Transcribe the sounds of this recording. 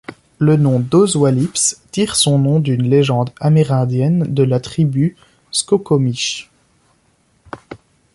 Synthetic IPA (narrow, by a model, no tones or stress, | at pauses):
lənɔ̃d̪ozwalipst̪iʁsɔ̃nɔ̃d̪ynleʒɑ̃d̪amiʁɛ̃d̪jɛnd̪əlat̪χiby | skɔkɔmiʃ